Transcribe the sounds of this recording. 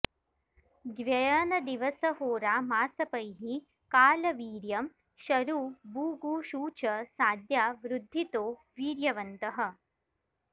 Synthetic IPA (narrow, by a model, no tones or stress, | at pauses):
ɡʋjɐjaːnɐd̪iʋɐsɐɦoːɾaːmaːsɐpɐjɦi | kaːlɐʋiːɾjɐm | ʃɐɾuːbuːɡuːʃuːt͡ʃɐsaːd̪jaːʋɾud̪ʱːit̪oː | ʋiːɾjɐʋɐnt̪ɐɦɐ̆